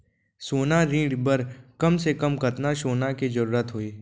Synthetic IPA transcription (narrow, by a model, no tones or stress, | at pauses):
soːnaɾĩːɽbəɾkɐmsekɐmkɐt̪naʃoːnakid͡ʒɐɾuːɾət̪ɦoiː